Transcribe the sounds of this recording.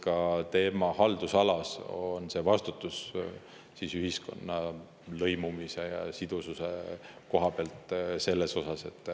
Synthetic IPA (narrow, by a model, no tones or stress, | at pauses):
kɑt̪e̞ːmɑhɑld̪̥usɑlɑsonse̞ːvɑst̪ut̪ːˑus | siːsyɦisko̞̰nːɑ | lɤ̞jmumise̞jɑ̰sid̪̥ususe̞ko̞ɦɑbeɑlt̪ˑse̞lːe̞so̞sɑse̞t̪ːˑ